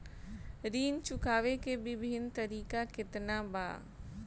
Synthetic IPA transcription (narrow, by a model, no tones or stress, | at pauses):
ɾiːnt͡ʃʊkʰaːʋekebɪbʱɪnt̪ɐɾiːkakɪt̪naba̰ː